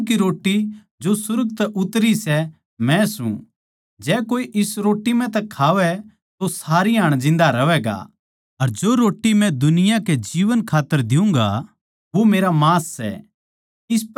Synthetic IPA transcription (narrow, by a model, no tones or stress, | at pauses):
kiɾoːʈːi | d͡ʒosʊɾɡt̪ɛʔʊt̪ɾisɛ | mɛ̃sṵ̃ | d͡ʒɛːkoːiʔɪsɾoːʈːimɛ̃t̪ɛkʰaːʋɛ | t̪osaːɾiɦaːɽ̃d͡ʒɪ̃n̆d̪aɾɐʋɛːɡa̰ | ɐɾd͡ʒoːɾoːʈːimɛ̃d̪ʊnɪjakɛd͡ʒiːʋənkʰaːt̪ːəɾd̪ɪũŋɡa̰ | ʋomeːɾamaːsːɛ̰ | ɪs